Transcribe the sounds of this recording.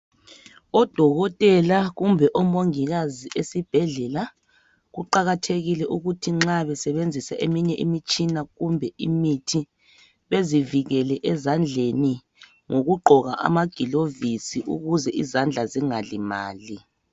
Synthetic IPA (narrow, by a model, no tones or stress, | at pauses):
ɔd̥ʱɔɣɔtʼɛlaɣumbʱɛʔɔmoŋiɣaziʔesib̥ʱɛɮɛla | ɣuǃaɣatʰeɣilɛʔuɣutʰiŋ͡ǁaβɛsɛβend͡zʱisaʔemiɲɛʔḭmit͡ʃʼinaɣumbʱɛḭmitʰi | βeziviɣɛlɛʔɛzand͡ɮʱeni | ŋoɣuɡ͡ǃʱɔɣa̰ʔa̰maɡ̥ʱilovisiʔṵɣuzɛʔizand͡ɮʱaziŋalimaːli